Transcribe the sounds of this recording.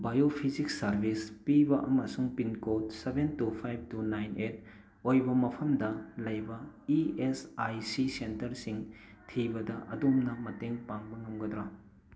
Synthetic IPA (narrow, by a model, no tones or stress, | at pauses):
bajopʰizik̚sɐɾbʱispibɐʔɐmɐsuŋpinkot̚sebʱentupʰajb̚tunajnet̚ | ojbɐmɐpʰɐmdɐlɐjbɐiesajsisentɐɾsiŋ | tʰibɐdɐʔɐdumnɐmɐteŋpaŋbɐŋɐmɡɐdɾa